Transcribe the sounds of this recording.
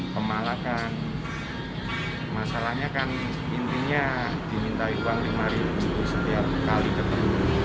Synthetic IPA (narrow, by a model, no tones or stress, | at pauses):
pəmalakan | masalahɲakan | int̪iɲad̥imint̪aiuaŋlimaɾibub̪usət̪iap̚kalid̪əp̪əru